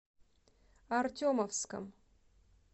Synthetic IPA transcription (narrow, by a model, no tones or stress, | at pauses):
artʲomɐfskə̰m